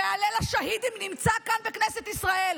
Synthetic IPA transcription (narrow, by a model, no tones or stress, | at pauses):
ealelaʃahid̪imnimt͡sakanbekneset̪isʁaʔe̞l